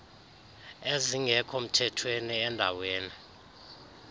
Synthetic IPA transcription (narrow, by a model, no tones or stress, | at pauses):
eziŋʱɛkʰɔm̩tʰɛtʰweniɛndʱaweːni